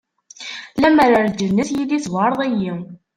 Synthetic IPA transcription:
læməɾaɾd͡ʒənːəθjiliswɑɾˤðˤæji

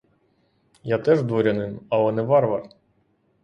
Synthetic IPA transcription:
jat̪ɛʒd̪ʋɔɾʲɐnɪmɐlˠɛnɛʋɑɾʋɐr

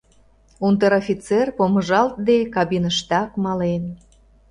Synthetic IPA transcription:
unt̪əɾofʲit͡serpoməʒɑlt̪̚d̪ekɑβinəʃt̪ɑkmɑlen

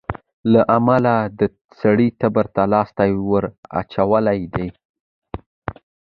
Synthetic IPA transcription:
laʔamalad̪ə | saɽit̪abaɾt̪alɑst̪ajwəɾa̰t͡ʃawəlajd̪ej

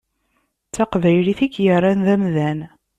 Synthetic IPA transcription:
t͡sːɑqvæjliθikːjərˤːanðæmðæn

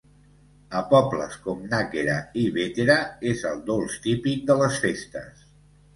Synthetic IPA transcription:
əpɔblə̰skɔmnaɣeɾaiβet̪eɾəezəlˠd̪olˠst̪ipik̚d̪ələsfest̪əs

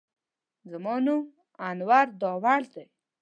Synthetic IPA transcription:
zamɑnum | anwaɾd̪ɔwald̪e

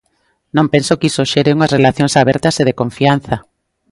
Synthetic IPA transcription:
nõmpensokisoʃeɾeuŋɐsrelaθjõŋsaβɛɾt̪ɐseðekõɱfian̟θa

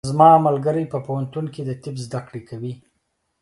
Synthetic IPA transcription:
zmɑamalɡəɾəjpəpohant̪unked̪ət̪ɪbzd̪akɽekʰawi

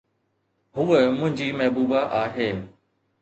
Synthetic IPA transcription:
ɦʊemʊ̃ɦɪ̃ɲd͡ʑiːmɐɦbuːbaʔaːɦeː

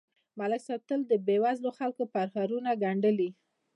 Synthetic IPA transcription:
malaksat̪əld̪əbewazloxalkopaɾhaɾunaɡaɳɖəli

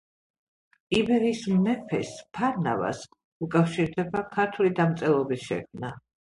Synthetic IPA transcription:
ibɛɾismmɛpʰɛ̰spʰaɾna̰va̰s | ukʼafʃiɾd̪ɛbakʰaɾt̪ʰulid̪amt̪sʼɛlˠɔbisʃɛ̰kʰmna

